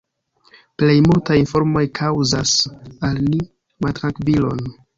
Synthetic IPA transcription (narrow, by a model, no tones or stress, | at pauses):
ple̞jmultajinfo̞ɾmo̞jkʰawzasalni | maltɾaŋkvilo̞̰n